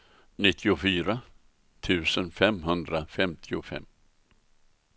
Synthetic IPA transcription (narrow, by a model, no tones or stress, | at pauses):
nɪt̪ʰːɪʊfyːɾa | t̪ʰʉ̟ːsənfɛmɦɵnd̪ɾafɛmt̪ʰɪʊfɛ̰mː